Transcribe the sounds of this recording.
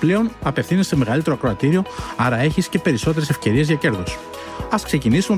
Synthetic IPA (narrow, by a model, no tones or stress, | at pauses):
ple̞o̞nɐpe̞fθiniseme̞ɣɐlit̪e̞ɾoɐkɾoɐt̪iɾio̞ɐɾɐe̞çisce̞pe̞ɾiso̞t̪e̞ɾese̞fce̞ɾie̞zʝɐce̞ɾðo̞s | ɐskse̞cinisum